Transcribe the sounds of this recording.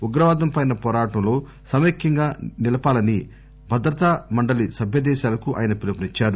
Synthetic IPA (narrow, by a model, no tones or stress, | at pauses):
uɡɾɐʋaːd̪ɐmpɐjnɐpɔːɾaːʈɐmlo̞ː | sɐmeːkjɐŋɡaːnilɐpaːlɐni | bʱɐd̪ɾɐt̪amɐɳɖɐlisɐbʱjɐd̪ɛːʃaːlɐkuʔa̰ːjɐnɐpilɐpɐnit͡ʃːaːɾu